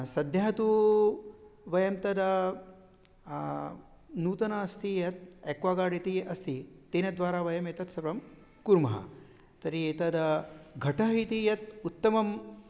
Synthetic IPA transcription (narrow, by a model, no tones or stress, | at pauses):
sɐd̪ʱjaːɐt̪u | ʋɐjɐmt̪ɐd̪ɐ | nuːt̪ɐnɐːst̪ʰijɐt̪̚ekʋaːɡaːɽit̪iʔɐst̪ʰit̪ːeːnɐd̪ʋaːɾaːʋɐjɐmeːt̪ɐt̪sɐpɾɐm | kuɾmɐɦɐ̰ | t̪ɐɾieːt̪ɐd̪ɐɡʱɐʈɐɦit̪ijɐt̪̚ut̪ːɐmɐm